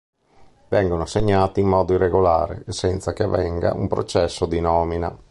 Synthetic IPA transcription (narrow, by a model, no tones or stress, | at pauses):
vɛŋɡonoaseɲːaːt̪iːmːɔːd̪oirːeɡola̰ːɾḛsɛnt̪sak̟eavːɛŋɡa̰ṵmpɾo̰t͡ʃɛsːod̪inɔːmina̰